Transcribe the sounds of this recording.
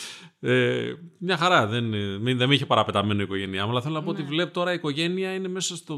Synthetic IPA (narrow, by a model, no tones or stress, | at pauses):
emɲɐxɐɾɐðe̞nmiðemiçe̞pɐɾɐpe̞t̪ɐme̞noiko̞ʝe̞niɐmɐlɐθelonɐpoot̪ivle̞pt̪o̞ɾɐiko̞ʝe̞niɐine̞me̞sɐst̪o